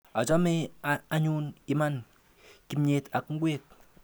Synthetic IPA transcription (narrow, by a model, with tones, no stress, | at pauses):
a˨d͡ʒɔ˦me˦a˨˦ɲuː˦nki˨˦ma˦n | ki˦mɲe˨˦ta˨kŋ̩˦ɡwe˦k̚